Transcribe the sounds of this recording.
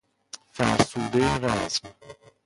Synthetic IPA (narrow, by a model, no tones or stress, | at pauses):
fæɾsuːd̪ejeɾæzm